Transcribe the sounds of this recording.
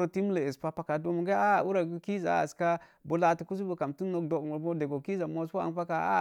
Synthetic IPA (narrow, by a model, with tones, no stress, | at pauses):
ɾo˨ti˦m˦le˨e˨spa˦pa˨ka˨do˦m˨ɡa˦a˦˨u˦ɾa˨ɡu˦ki˦za̰˨a̰˨ska˦ | bu˨la˦tu˨ku˦s̬u˦bu˨ka˨mtu˦no˦kdo˨kmu˨bo˦de˨ɡo˨ki˦za˨mo˦o˦a̰˨n˦pa˦ka˨a̰˦